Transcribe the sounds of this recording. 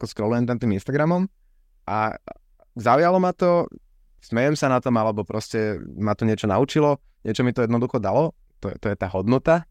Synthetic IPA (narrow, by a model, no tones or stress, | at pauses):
kɔskɾɔlujɛmt̪amt̪iːminst̪aɡɾamɔm | ʔa̰ | zaʊjalɔmat̪ɔ | smɛjɛmsanat̪ɔmalɛbɔpɾɔscɛmat̪ɔɲɪɛt͡ʃɔna̰ut͡ʃilɔ | ɲɪɛt͡ʃɔmit̪ɔjɛd̪nɔd̪uxɔd̪alɔ | t̪ɔɛt̪ɔjɛt̪aːɦɔd̪nɔt̪a